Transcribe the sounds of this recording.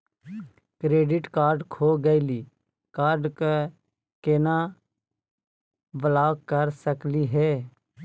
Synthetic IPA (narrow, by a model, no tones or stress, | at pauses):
kɾeːɖɪʈkaːɾɖkʰoːɡəɪliː | kaːɾɖke | keːna | ʋəlaːkkəɾsəkliɦɛː